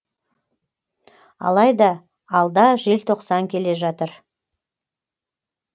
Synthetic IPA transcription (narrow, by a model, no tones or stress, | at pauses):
ɑ̰lˠɑjd̪ɑː | lˠd̪ɑʒe̞lt̪ʰo̞qsɑŋkʲʰe̞le̞ʒɑt̪əɾ